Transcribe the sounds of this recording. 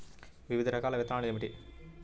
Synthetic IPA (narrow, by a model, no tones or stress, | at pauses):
ʋiʋid̪ʱɐɾɐkaːlɐʋɛt̪ɾaːɳiɐmiʈi